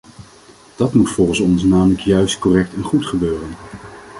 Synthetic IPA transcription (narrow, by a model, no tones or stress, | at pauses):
d̥ɑtmutfɔlˠχənsɔnsnaːmələkjœɥst̚kɔrɛk̚tɛnχutχəbøːrən